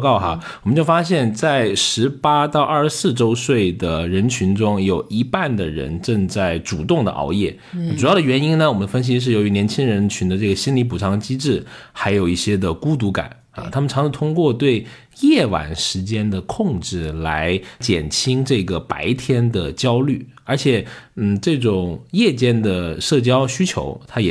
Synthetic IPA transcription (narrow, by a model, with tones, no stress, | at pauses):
kɑ˥˩ʊxa̰˧wɔ˨˩mə˦t͡ɕjo˥˩ʊfa˥ɕjɛ˥˧nt͡sa˥˩ɪʂɻ̩˧˥pa˥t̪ɑ˥˧ʊʔɐ˞˥˧˩sɹ̩˥˩ʈ͡ʂo˥ʊswe˥˩ɪd̪ə˩ɻə˧˥nt͡ɕʰy˧˥nʈ͡ʂʊ˥ŋjo˨˩ʊi˧˥pa˥˩nd̪ə˩ɻə̰˧˥nʈ͡ʂɤ˥˧ŋt͡sa˥˩ɪʈ͡ʂu˨˩t̪ʊ˥˩ŋd̪ə̰˩ʔɑ̰˧˥ʊjɛ˥˩ | ʈ͡ʂu˨˩jɑ˥˩ʊd̪ə˩ɥɛ˧˥ni˥nnə˧wɔ˨˩mə˦nd̪ə˧fə˥nɕ̬i˧˥ʂ̬ɻ̩˥˩jo˧˥ʊy˧˥njɛ˧˥nt͡ɕʰi˥ŋɻə˧˥nt͡ɕʰy˧˥nd̪ə˧ʈ͡ʂɤ˥˩ɡə˩ɕi˥nli˧˥pu˨˩ʈ͡ʂʰɑ˧˥ŋt͡ɕi˥ʈ͡ʂɻ̩˥˩xa˧˥ɪjo˨˩ʊi˥˩ɕjɛ˥d̪ə˨ku˥t̪̬u˧˥ka̰˨˩˦n | ɐ̰˧t̪ʰa˥mə˨nʰʈ͡ʂʰɑ˧˥ŋʂ̩ʰ˧˥t̪ʰʊ˥ŋkwɔ˥˧t̪we˥˩ɪ | jɛ˥˩wa̰˧˥nʂɻ̩˧˥t͡ɕjɛ˥nd̪ə˨kʰʊ˥˧ŋʈ͡ʂɻ̩˥˩la˧˥ɪt͡ɕjɛ˨˩nt͡ɕʰi˥ŋʈ͡ʂɤ˥˩ɡə˩pa̰˧˥ɪt̪ʰjɛ˥nd̪ə˨t͡ɕjɑ˥ʊly˥˩ | ə˞˧˥t͡ɕʰjɛ˨˩n̩˥˩ʈ͡ʂɤ˥˩ʈ͡ʂʊ˨˩ŋjɛ˥˩t͡ɕjɛ˥˩nd̪ə˨ʂɤ˥˩t͡ɕjɑ˥ʊɕy˥t͡ɕʰjo̰˧˥ʊt̪ʰa˥jɛ˨˩